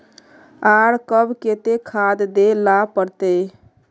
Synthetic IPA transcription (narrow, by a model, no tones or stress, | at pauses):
aɽkəbket̪ekʰad̪d̪elapəɾt̪e